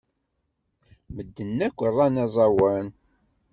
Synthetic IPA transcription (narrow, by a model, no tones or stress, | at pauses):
məd̪ːənːækʷːərˤːɑnæzˤɑwən